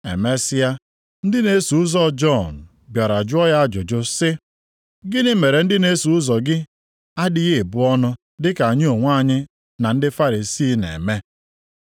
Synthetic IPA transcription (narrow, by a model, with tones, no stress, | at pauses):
ḛ˨me˦sɪ˦a˦ | n̩˦dɪ˦ne˦su˨ʊ˦zɔ˦d͡ʒɔ˦˨n̩˨ | bja˨ɾa˨d͡ʒʊ˦ɔ˦ja˦d͡ʒʊ˨d͡ʒʊ˦sɪ˦ | ɡɪ˦nɪ˦me˨ɾe˨n̩˦dɪ˦ne˦su˨ʊ˦zɔ˨ɡɪ˦ | a˦dɪ˦ɣe˦e˨bʊ˦ɔ˦nʊ˦ | dɪ˦ka˨a˨ɲɪ˦o˨ŋʷ˦a˦˨ɲɪ˦ | na˨n̩˦dɪ˦fa˦ɾi˨si˦nḛ˨me˦